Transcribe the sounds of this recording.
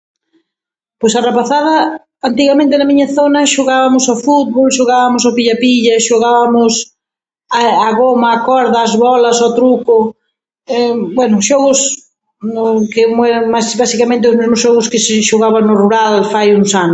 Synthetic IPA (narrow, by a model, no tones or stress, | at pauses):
pojsarepaθaðɐ | ant̪̬iɣamẽnt̪enɐmiɲɐθonɐʃoɣaβɐmʊsafut̪̚βolʃoɣaβamʊsapiʎapiʎɐʃoɣaβamʊs | aaɣomɐːkɔɾðɐːzβɔlɐsot̪ɾukʊ | ɛbwɛnʊʃɔɣʊs | kɪmɛɾasbasikamẽnt̪̬ɪʊzmezmʊsʃɔɣʊskɪsɪʃoɣaβaŋnʊruɾalfajuŋsanʊ